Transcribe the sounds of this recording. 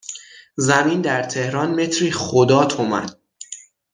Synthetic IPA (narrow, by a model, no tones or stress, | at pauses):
zæmind̪æɾt̪ʰe̞hɾɒːnme̞t̪ʰɾiːχod̪ɒːt̪ʰomæ̰d̪̥̚